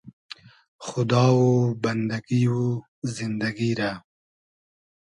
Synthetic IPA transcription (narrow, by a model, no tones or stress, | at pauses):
xʊd̪ɑːwobɐnd̪ɐɡiwo | zɪnd̪ɐɡiɾa